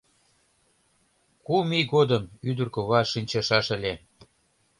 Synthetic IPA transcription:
kumiɣod̪əmyd̪ərkoβɑʃinʲt͡ɕɑʃɑʃə̆lʲe

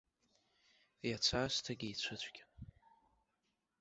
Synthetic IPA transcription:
jat͡ɕʷʰaːstʰaɡʲiit͡ɕʷʰɨt͡ɕʷʰʼɡʲɪ

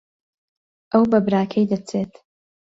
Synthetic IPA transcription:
ʔɐwbɐbɾaːkʰɐjd̪ɐt͡sʰet̪

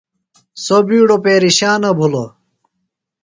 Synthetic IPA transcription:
sobiːɽopeːɾiɕaːnɐbʱulo̰

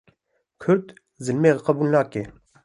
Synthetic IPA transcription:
kʰʊɾd̪ | zɨlmeːqɑbuːlnaːke

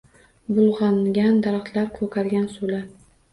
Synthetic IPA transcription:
bʊlˠʁɑŋɡʲand̪aɾaχt̪ʰlaɾkʰɵkʰaɾɡʲansola

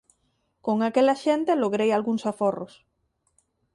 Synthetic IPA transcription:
koŋakelaʃent̪eloɣɾejalɣuŋsaforo̰s

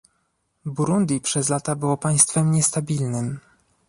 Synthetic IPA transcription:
buɾund̪ʲipʂɛzlat̪abɘwɔpaj̃st̪fɛmɲɛst̪abʲilnɘm

